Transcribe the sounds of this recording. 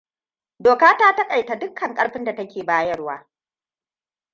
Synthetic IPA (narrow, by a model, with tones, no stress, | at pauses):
doː˨kaː˦taː˦tɐ˦kʼa˨jta˨dʊ˦kʰːɐ˨ŋkʼɐ˦ɽɸɪ˦nda˨tɐ˦kʲeː˨baː˦jɐ˦rwaː˦